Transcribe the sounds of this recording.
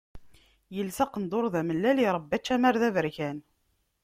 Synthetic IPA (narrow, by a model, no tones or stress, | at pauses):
jəlsɑqənd̪oɾˤðæməlːæliɾˤəbːæt͡ʃːæmæɾðævəɾçæn